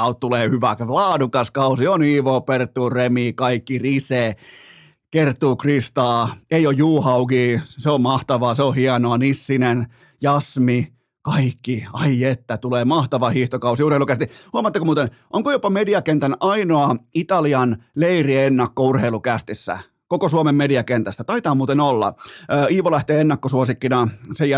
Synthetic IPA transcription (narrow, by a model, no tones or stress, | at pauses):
ɑt̪ːuleːhyʋæklɑːdukɑskɑusioniːʋoːpert̪ːuːremiːkɑikːiriseː | kert̪ːˑuːkrist̪ɑːeiojjuːhɑukiːseommɑht̪ɑʋɑːseohiɑnoɑnisːinen | jɑsmi | kɑikːiɑiet̪ːæt̪uleːmɑht̪ɑʋɑhiht̪okɑusiurheilukæst̪ihuɑmɑt̪ːekomuːt̪en | ʔoŋkojopɑmediɑkent̪ænʔɑinoɑit̪ɑliɑnleirienːɑkːourheilukæst̪isːæ̰ | kokosuomemmediɑkent̪æst̪æt̪ɑit̪ɑːmuːt̪enolːɑ̰ːiːʋolæht̪eːenːɑkːosuosikːinɑsejæ